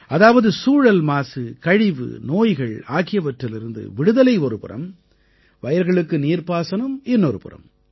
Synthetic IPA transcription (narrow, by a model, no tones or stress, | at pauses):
ʔɐðaːʋɐðɯsuːɻɐlmaːsɯkɐɻɪʋɯ̰noːjɣɐɭaːɣɪjɐʋɐʈrɪlɪɾɯnd̪ɯ̰ʋɪɽɯðɐlɐɪɔɾɯpɯɾɐ̰m | ʋɐjɐɾɣɐɭɯkːɯniːɾpaːsɐnɯmɪnːɔɾɯpɯ̰rɐ̰m